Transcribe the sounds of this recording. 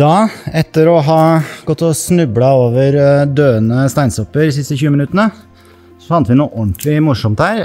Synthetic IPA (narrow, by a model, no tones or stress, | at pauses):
d̪ɑːɛt̪ːəɾɔɦɑɡ̥ɔt̪ːɔsnʉblɑoːʋəɾd̪øːənəst̪æɪnsɔpːəɾd̪ɪs̬ɪst̪əçʉːəmɪnʉt̪ənə | sɔfɑnt̪əʋɪnuːʔɔnt̪lɪmʊʂɔmt̪hæːɾ